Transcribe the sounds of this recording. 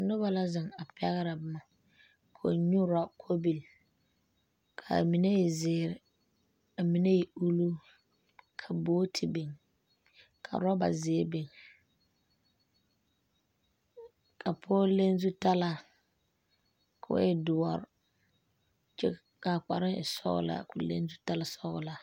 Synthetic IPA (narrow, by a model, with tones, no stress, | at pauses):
nʊ˦ba˨la˦zɪ˨ŋa˨pɛ˦ɣɪ˦ɾa˨bɪ˦ma˨ | kʰo̰˨ɲu˦ɾa˦kʰo˦bi˨l | kʰa̰˨mi˨ne˦jɛ˨zɪː˨˦˨ɾɪ˨ | a˨mi˨ne˦ji˨u˦lu˦ | kʰa˨boː˦tʰɪ˨be˨ŋ | kʰa̰˨ɾa˦ba̰˨zɪː˨˦be˨ŋ | kʰa˨pʰɔː˦le˦n˦zu˦ta˦la˨ | kʰʊ̰˨˦ɛ˦dʊ˨ɔ˨ɾ | t͡ʃɛ˦ | ka˨k͡pa˨ɾɪ˦ŋɪ̰˨sɔ̰˦ɣʊ̰˨la̰˨kʊ˨lḛ˦nzu˦ta˦la˨sɔ˦ɣʊ̰˨la˨